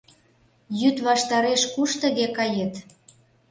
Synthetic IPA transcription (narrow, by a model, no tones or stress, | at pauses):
jyt̪βɑʃt̪ɑɾeʃkuʃt̪ə̆ɣekɑjet̪